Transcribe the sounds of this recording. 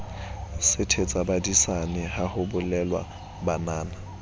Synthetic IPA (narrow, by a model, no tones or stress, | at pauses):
sɪtʰet͡sʼabadisanɪhahʊbʊlɛlwa̰ | banaːna